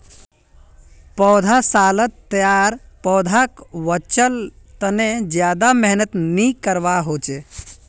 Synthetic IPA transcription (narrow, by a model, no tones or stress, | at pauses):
pɔːd̪ʱasaːlət̪ːəjaːɾpɔːd̪ʱakʋət͡ʃəl | t̪əned͡ʒjaːd̪ameɦnət̪nikəɾʋaɦoːt͡ʃe